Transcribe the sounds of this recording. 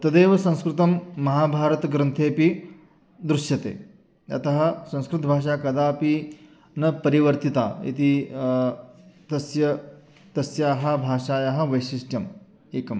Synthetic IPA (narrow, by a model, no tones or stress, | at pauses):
t̪ɐd̪eːʋɐsɐ̃w̃skɾut̪ɐmːɐɦaːbʱaːɾɐt̪ɡɾɐnt̪ʰeːpi | d̪ɾuʃjɐt̪ḛː | ɐ̰t̪ɐɦɐ̆sɐ̃skɾut̪bʱaːʂ̬aːkɐd̪aːpi | nɐpɐɾiʋɐɾt̪it̪a̰ːḭt̪i | t̪ɐsjɐ | t̪ɐsjaːɦɐbʱaːʂaːjaːɦɐ̆ʋɐjʃisʈjɐm | eːkɐm